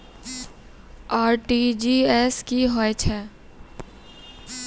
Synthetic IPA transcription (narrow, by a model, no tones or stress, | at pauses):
aːɾʈid͡ʒiːɛskiɦoet͡ʃʰɛː